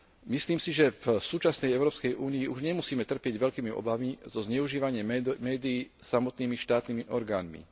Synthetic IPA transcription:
misliːmsiʒɛvsuːt͡ʃasnɛjɛʊɾɔːpskɛjʔuːniiʔuʒɲɛmusiːmɛt̪r̩pɪɛɟʋɛʎkiːmiɔ̰bamizɔzɲɛuʒiːʋaɲɪɛmɛːd̪iiː | samɔt̪niːmiʃt̪aːt̪niːmiʔɔɾɡaːnmḭ

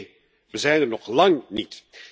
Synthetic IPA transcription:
ʋəzɛjnərnɔχlɑŋnit

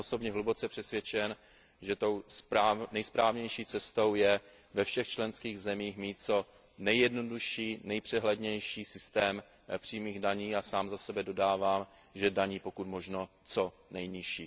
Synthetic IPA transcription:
oso̞bɲɛɦlubot͡sɛpr̥ɛsvʲjɛt͡ʃɛn | ʒɛt̪o̞wsanɛjspɾaːvɲɛjʃiːt͡sɛst̪o̞wjɛ | vɛfʃɛxt͡ʃlɛnskiːɣzɛmiːxmiːt̪̚t͡so̞ | nɛjɛdnoduʃiːnɛjpr̥ɛɦlɛdɲɛjʃiːsɪst̪ɛːm | pr̝̥iːmiːɣdaɲiːasaːmzasɛbɛdo̞daːvaːm | ʒɛdaɲiːpo̞kut̪mo̞ʒno | t͡so̞ | nɛjɲɪʃiː

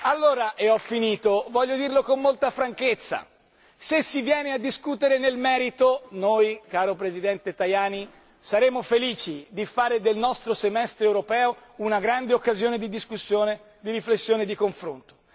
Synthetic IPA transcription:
alːoːɾaʔeɔfːiniːt̪ovɔʎːod̪irlokomːolt̪afɾaŋket̪sːa̰ | sesːivjɛːnead̪ːiskut̪eɾenelmɛːɾit̪onojkaːɾopɾezid̪ɛnt̪et̪ajaːni | saɾeːmofeliːt͡ʃid̪ifaːɾed̪elnɔst̪ɾosemɛst̪ɾeewɾopɛːo | unaɡɾand̪eokːazjoːned̪id̪iskusːjoːne | d̪iɾiflesːjoːned̪ikoɱfɾont̪o̥

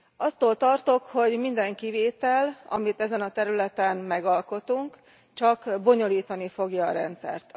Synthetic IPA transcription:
ɒt̪ːoːlt̪ɒrt̪o̞kho̞ɟmind̪ɛŋkiveːt̪ɛlɒ̰mit̪ɛzɛnɒt̪ɛɾylɛt̪ɛnmɛɡɒlko̞t̪uŋk | t͡ʃɒkbo̞ɲo̞liːt̪ɒnifo̞ɡjɒːɾɛnt̪sɛ̰rt̪

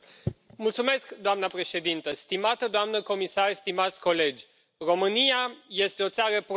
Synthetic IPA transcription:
mult̪sume̞skd̪oamnəpɾe̞ʃe̞d̪int̪əst̪imat̪əd̪oamnəko̞misarst̪imat̪sʲko̞le̞d͡ʒʲ | ro̞mɨniaje̞st̪eo̞t̪saɾəp

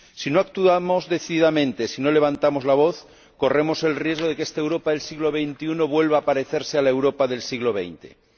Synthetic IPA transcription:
sino̞ak̚t̪uamo̞zðe̞θiðiðamẽnt̪esino̞le̞β̞ant̪amo̞zlaβ̞o̞θ | ko̞re̞mo̞se̞lrje̞zɣoðe̞kest̪aewɾo̞paðe̞lsiɣlo̞β̞e̞jnt̪iuno̞βwe̞lβaːpaɾe̞θeɾsealaewɾo̞paðe̞lsiɣloβ̞ḛjnt̪e̞̰

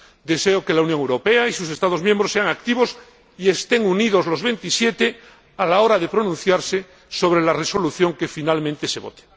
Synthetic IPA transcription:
d̪e̞seokelaunjoŋewɾo̞peaisus̬e̞st̪aðo̞zmjembɾosːeaŋak̚t̪iβos | iest̪e̞ŋuniðo̞zlo̞zβe̞nt̪isje̞t̪e | alaoɾaðe̞pɾo̞nũn̟θjaɾse | so̞β̞ɾelareso̞luθjo̞ŋkefinalmẽnt̪e̞seβo̞̰t̪e̥

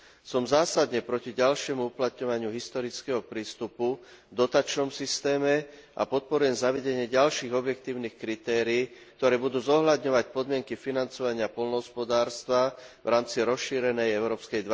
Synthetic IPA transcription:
sɔmzaːsad̪ɲɛpɾɔciɟalʃɪɛmuuplat̪ɲɔʋaɲɪuɦist̪ɔɾit͡skɛɦɔpɾiːst̪upu | vd̪ɔt̪aːt͡ʃnɔmsist̪ɛːmɛʔa̰pɔt̪̚pɔɾujɛmzaʋɛɟɛɲɪɛɟalʃiːɣɔbjɛk̚t̪iːʊnixkɾit̪ɛːɾiːk̚t̪ɔɾɛːbud̪uːzɔɦlad̪ɲɔʋac̚pɔd̪mɪɛŋkifinant͡sɔʋaɲɪapɔlnɔɦɔspɔd̪aːɾst̪ʋavɾaːmt͡siɾɔsʃiːɾɛnɛjɛʊɾɔːpskɛjd̪ʋ

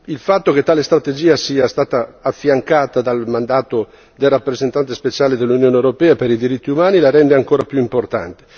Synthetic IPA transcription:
ilfat̪ːoket̪ːaːlest̪ɾat̪ed͡ʒiːasiːast̪aːt̪aːfːjaŋkaːt̪ad̪almand̪aːt̪o | d̪elrapːɾezent̪ant̪espet͡ʃaːled̪elːunjoːnewɾopɛːapeɾid̪iɾit̪ːiumaːnilaɾɛnd̪eaŋkoːɾapjuimport̪a̰nt̪e̥

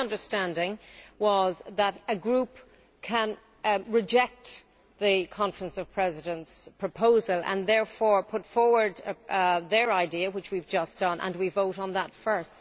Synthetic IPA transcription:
ʌ̃ndə˞stæ̃ndɪ̃ŋwʌzðəɾɨɡɹup | kʰə̃n | ɹɪd͡ʒɛk̚t̪ | ðɨkʰɑ̃ɱfɹə̃nsʌv̥pʰɹ̥ɛzɪɾə̃ntspʰɹ̥əpʰoʊzəlˠə̰̃nðɛɹfɔɹpʰʊtfɔɹwə˞d | ðə˞aɪdiəwɪt͡ʃwivd͡ʒʌsd̥ʌ̃nʔə̰̃nwivoʊɾn̩ðətfɜ˞st

